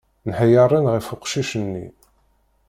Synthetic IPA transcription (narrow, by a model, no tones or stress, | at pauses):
nħəjəɾˤinʁəfʊqʃiʃənːḭ